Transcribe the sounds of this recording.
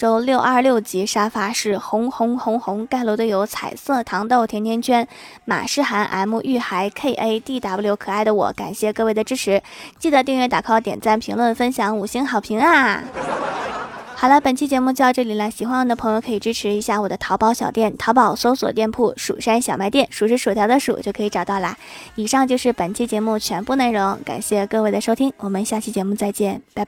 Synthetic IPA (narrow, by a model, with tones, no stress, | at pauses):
ʈ͡ʂo˥ʊljo˥˧ʊʔɐ˞˥˧ljo˥˩ʊt͡ɕi˧˥ʂa˥fa˥ʂɻ̩˥˩xʊ˧˥ŋxʊ˧˥ŋxʊ˧˥ŋxʊ˧˥ŋka˥˩ɪlo˧˥ʊd̪ə˧jo˧˥ʊt͡sʰa̰˨˩ɪsɤ˥˩t̪ʰɑ˧˥ŋt̪o˥˩ʊt̪ʰjɛ˧˥nt̪ʰjɛ˥nt͡ɕʰɥɛ˥nma̰˨˩ʂɻ̩˥˩xa˧˥nʔa̰˧˥ɪmu˥˧ʔy˥˩xa˧˥ɪkʰe˥˩ɪʔe˥ɪt̪i˥˩t̪a˨˩pu˥˩ljo˧˥ʊkʰɤ˨˩a˥˩ɪd̪ə˩wɔ̰˧˩ka̰˨˩nɕjɛ˥˧kɤ˥˧we˥˩ɪə˩ʈ͡ʂɻ̩˥ʈ͡ʂʰɻ̩˧˥t͡ɕi˥˩d̪ə˨˩t̪jɛ˥˧nɥɛ˥˩t̪a̰˨˩kʰɑ˥ʊt̪jɛ̰˨˩nt͡sa˥˩npʰi˧˥ŋlwə˥˩nfə˥nɕjɑ˧˥ŋu˨˩ɕi˥nxɑ˨˩ʊpʰi˧˥ŋa˧ | xɑ˨˩lə˦pə˨˩nt͡ɕʰi˥t͡ɕjɛ˧˥mu˥˧t͡ɕʈ͡ʂɤ˥˩li˨˩la˧˥ɕi˨˩xwa˥nwd̪ə˧pʰɤ˧˥ŋjo˧kʰɤ˧˥i˨˩ʈ͡ʂɻ̩˥ʈ͡ʂʰɻ̩˧˥i˧˥ɕja˥˩wɔ˨˩d̪ə˦t̪ʰɑ˧˥ʊpɑ˧˥ʊɕjɑ˨˩ʊt̪jɛ˥˩nt̪ʰɑ˧˥pɑ˨˩ʊso˥ʊswɔ̰˨˩t̪jɛ˥˧npʰu˥˩ʂṵ˨˩ʂa˥nɕjɑ˨˩ʊma˧˥ɪt̪jɛ˥˩nʂu˨˩ʂɻ̩˧˥ʂu˨˩t̪ʰjd̪ə˧ʂṵ˨˩t͡ɕjo˥˩ʊkʰɤ˧˥i˧˥ʈ͡ʂɑ˨˩ʊt̪ɑ˥˩ʊlə̰˧˦i˨˩ʂɑ˥˧ŋt͡ɕjo˥˧ʊʂɻ̩˥˩pə˨˩nt͡ɕʰi˥t͡ɕjɛ˧˥mu˥˩t͡ɕʰɥɛ˧˥npu˥˧nna˥˩ɻʊ˧˥ŋka̰˨˩nɕjɛ˥˧kɤ˥˧we˥˩ɪd̪ə˩ʂo˥ʊt̪ʰi˥ŋwɔ˨˩mə˧˦nɕja˥˩t͡ɕʰi˥˩t͡ɕjɛ˧˥mu˥˧t͡sa˥˧ɪt͡ɕjɛ˥˩npa˥˧